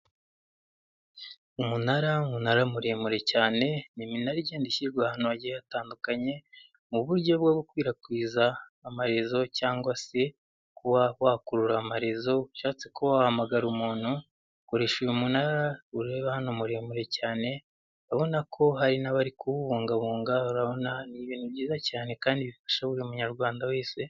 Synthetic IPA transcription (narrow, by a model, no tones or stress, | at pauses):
umunaɾaumunaɾamuɾe̞ːmuɾe̞caːne̞niminaɾiɟeːndiçiɾɡwahanoaɟiajataːndukaɲe̞ | muβuɾɟo̞bɡoɡukwiːɾakwiːzaːmaɾe̞zo̞caːŋɡwase̞ | kuβawakuɾuɾaːmaɾezo̞ʃaːt͡se̞ko̞wahamaɡaɾumuːnhu | koɾe̞ʃujumunaɾauɾe̞ːβahanomuɾe̞ːmuɾe̞caːne̞ | βaβo̞nakʰo̞ɦaɾinaβaɾikuβuβuːŋɡaβuːŋɡauɾaβo̞naniβiniβɟiːzacaːne̞kaːndiβifḁʃaβuɾiumuɲaɾɡwaːndawe̞ːse̞